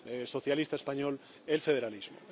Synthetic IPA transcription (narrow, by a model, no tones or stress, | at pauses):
so̞θjalist̪aespaɲol | elfeð̞eɾalizmo̰